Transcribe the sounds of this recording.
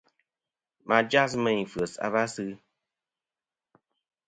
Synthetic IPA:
ma˨d͡ʒa˦smɛ˨ɲ˨fɰə˨sa̰˦βa˦sɨ˦

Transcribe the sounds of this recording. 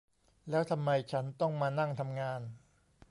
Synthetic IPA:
lɛː˦˥wt̪ʰa˧mːa˧jt͡ɕʰa˦˥nt̪ɔ˥˩ŋmaː˧na˥˩ŋt̪ʰa˧mŋaː˧n

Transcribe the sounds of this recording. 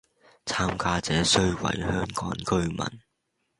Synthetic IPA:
t͡sʰaː˥mkaː˥t͡sɛː˨˥sɵ˥ɥwɐ̰˨˩jhœː˥ŋkɔː˨˥ŋkɵ˥ɥmɐ̰˨˩n

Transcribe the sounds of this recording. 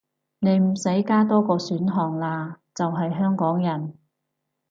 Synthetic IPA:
ne˨˧jm̩˨˩se˨˥jkaː˥t̪ɔː˥kɔː˧syː˨˥nɦɔː˨˩ŋlaː˧ | t͡sɐ˨wɦɐ˨jɦœː˥ŋkɔː˨˥ŋjɐ˨˩n

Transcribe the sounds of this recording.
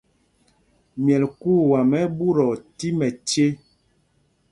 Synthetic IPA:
mjɛ˨lku˦˨wa˨mɛ˦bu˦ɾɔ˨ti˦mɛ˨t͡ʃe˦

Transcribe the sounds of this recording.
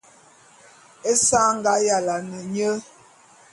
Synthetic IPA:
e˦sa˦ŋ˦ɡa˨˦ja˨la˨nə˨ɲə˦

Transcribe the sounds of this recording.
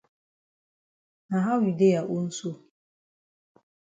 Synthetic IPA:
na˨ɦa˦wi˨de˦ja˨ʔu˦n̩˦so˦

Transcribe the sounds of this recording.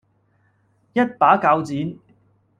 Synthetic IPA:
jɐ˥t̚paː˨˥kaː˧wt͡siː˨˥n

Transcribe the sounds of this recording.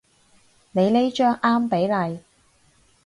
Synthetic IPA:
ne˨˧jle˥jt͡ʃœː˥ŋʔaː˥mpe˨˥jlɐ˨˧j

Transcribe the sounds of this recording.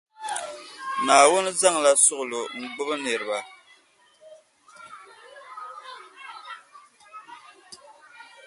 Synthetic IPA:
naː˨wʊ˦n˦za˦ŋla˦sʊ˦ʔʊ˨lo˨ŋ̩˨ɡ͡bʊ˦bɨ˦nɛ˨ɾɨ˨ba˨

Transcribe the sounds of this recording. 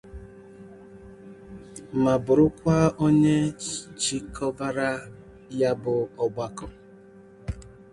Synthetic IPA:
ma˨bʊ˨ɾʊ˦kʷa˦o˦ɲe˦t͡ʃi˦kʰɔ˦va˦ɾa˦ | ja˦bʊ˨ɔ˦ɡ͡ba˦kɔ˨

